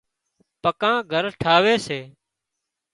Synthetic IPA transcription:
pəkãːɡʱəɾʈʰaːʋeːseː

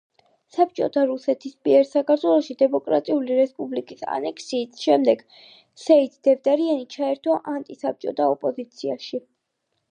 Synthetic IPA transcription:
sap̚t͡ʃʼɔ̰t̪ʰaɾusɛt̪ʰismiɛɾsakʰaɾt̪ʰwɛlˠɔʃid̪ɛmɔkʼɾa̰t̪ʼiuliɾɛspʼublikʼisa̰nɛkʰsiːsʃɛmd̪ɛɡ̥ | sɛid̪d̪̥ɛvd̪aɾianit͡ʃʰaɛɾt̪ʰaʔant̪ʼisap̚t͡ʃʼɔ̰t̪ʰaɔpʼɔzit̪sʰiaʃi

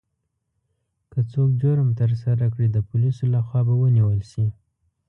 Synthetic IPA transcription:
kət͡sokd͡ʒoɾmt̪əɾs̬aɾakɽid̪əpʊlisolaxwɑbawəniwəlʃi

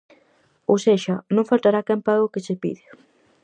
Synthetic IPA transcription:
oseʃanõŋfalt̪aɾakɛmpaɣoket͡ʃepḭðe

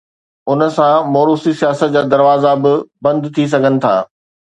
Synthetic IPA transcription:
ʊnə̆sãmoːɾuːsisijaːsət̪̚d͡ʑaːd̪ɐɾʋaːzabɪbɐ̃nd̪t̪ʰis̬ɐɡʱənɪ̆t̪ʰa̰ː

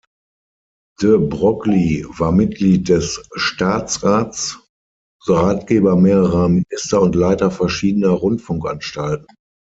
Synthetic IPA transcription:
d̥əbʁɔklivaːɐmɪt̚ɡ̥liːt̚d̥ɛsʃtaːt͡sʁaːt͡s | zoʁaːt̚ɡ̥eːbɐmeːʁəʁɐmɪnɪstɐʊntlaɪtɐfɛɐʃiːdənɐʁʊntfʊŋkʔanʃtalt̚n̩

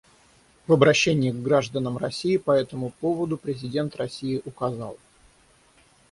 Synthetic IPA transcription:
vəbɾɐɕːenʲɪɪɡːɾaʐd̪ənəmrɐsʲijɪpɐɛt̪əmʊpo̞vəd̪ʊpɾʲɪzʲɪdʲe̞nt̪rɐsʲiɪʔʊkɐzɑ̰lˠ

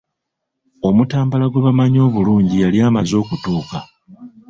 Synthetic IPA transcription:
o̞mutaːmbalaɡweβamaɲo̞ːβuluːɲɟijaliaːmazo̞ːkutuːka

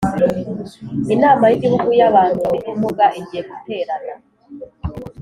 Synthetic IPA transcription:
enaːmajiɟiβukujaβaːntuiɾimuɡaʔeɟieɡute̞ːɾana

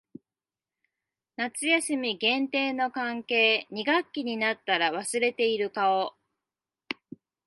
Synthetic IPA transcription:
nat͡sɨjasɨmʲiɡẽ̞nt̪e̞ːno̞kãŋke̞ːɲ̟iɡakʲːiɲ̟inat̪ːaɾaβ̞asɨɾe̞t̪e̞iɾɯ̟kao̞

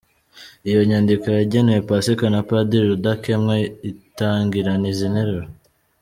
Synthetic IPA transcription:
ijo̞ɲaːndikojaɟenewepasikanapadiɾudakemŋeitaːŋɡiɾanizineɾeɾo

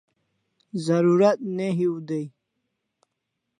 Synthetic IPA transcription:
zaɾuɾat̪̚neɦiwud̪ej

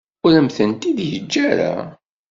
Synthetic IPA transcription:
ʊɾəmθənt̪iðjəd͡ʒːæɾa̰

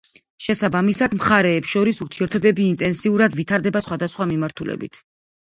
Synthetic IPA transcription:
ʃɛsabamisad̪mχaɾɛːpsʃɔɾisuɾt̪ʰiɛɾt̪ʰɔbɛbiːnt̪ʼɛnsiuɾad̪vit̪ʰaɾd̪ɛbasχwad̪asχwamimaɾt̪ʰulɛ̰bḭt̪ʰ

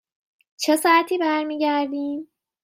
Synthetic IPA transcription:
t͡ʃʰesɑæt̪ʰiːbæɾmiːɟæɾd̪iːm

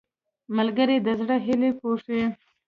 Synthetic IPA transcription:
məlɡəɾed̪əzɽəɦɪlepoʂe

